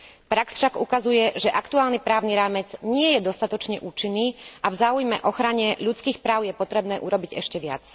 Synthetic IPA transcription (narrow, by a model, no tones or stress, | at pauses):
pɾaksfʃaɡukazujɛʒɛʔakt̪uaːlnipɾaːʊniɾaːmɛd͡zɲɪɛjɛd̪ɔst̪at̪ɔt͡ʃɲɛʔuːt͡ʃinːiːavzaːujmɛ̰ʔɔxɾaɲɛʎut͡skiːxpɾaːʊjɛpɔt̪ɾɛbnɛːʔuɾɔbiɟɛ̰ʃcɛʋɪa̰t͡s